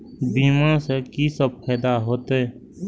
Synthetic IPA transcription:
biːmãsekisəb̚pʰɛːd̪aɦoːt̪ɦɛː

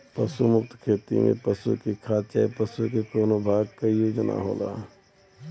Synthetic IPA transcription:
pəsumʊk̚t̪kʰeːt̪ḭmʔḛ̃pəsṵkikʰaːt͡ʃ̪əjpəsukekoːnobʱaːɡkajoːd͡ʒna̰ɦo̰ːla̰ː

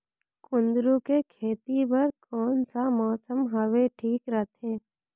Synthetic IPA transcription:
kʊ̃nd̪ɾukekʰeːt̪ibəɾkɔːnsamɔːsəmɦəʋeʈʰiːkɾət̪ʰẽː

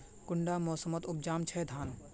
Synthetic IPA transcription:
kʊɳɖaːmɔːsəmət̪ʊp̚d͡ʒaːmt͡ʃʰɛd̪ʱaːn

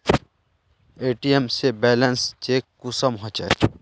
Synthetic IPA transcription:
eːʈiemsebɛːlənst͡ʃeːkːʊsəmɦõt͡ʃae

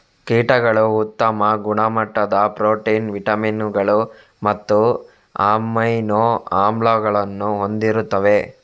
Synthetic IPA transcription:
kiːʈɐɡɐɭuːt̪ːɐmɐɡuɳɐmɐʈːɐd̪ɐpɾoːʈiːnʋiʈɐminuɡɐɭu | mɐt̪ːu | aːmɐjnoːaːmbloːɡɐɭɐnːuɦo̞nd̪iɾut̪ːɐʋe̞

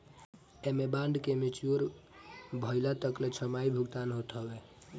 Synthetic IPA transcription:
emebãɳɖkemit͡ʃuɾ | bʱəɪlat̪əklet͡ʃʰəmaibʱuɡt̪anɦot̪ɦəbe

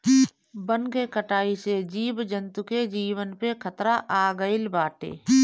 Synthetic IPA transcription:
bənkekəʈaːised͡ʒiːbd͡ʒə̃nt̪uked͡ʒiːwənpekʰət̪ɾaʔaːɡəɪlbaːʈḛː

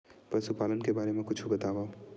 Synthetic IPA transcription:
pɾəsupaːlənkebaːɾemẽkʊt͡ʃʰubɐt̪aːbaːo

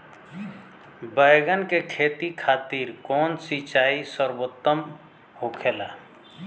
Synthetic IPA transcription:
bəjɡənkekʰet̪ikʰat̪iɾkɔnsit͡ʃaisəɾbot̪ːəm | ɦokʰela

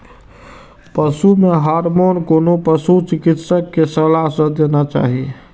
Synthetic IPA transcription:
pəsumeɦaɾmonkonopəsut͡ʃikit̪səkːesəlaɦsə̃d̪enat͡ʃa̰ɦi

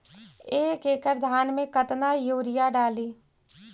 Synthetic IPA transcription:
eːkeːkəɾd̪ʱaːnmẽkət̪najoːɾɪjaɖaːliː

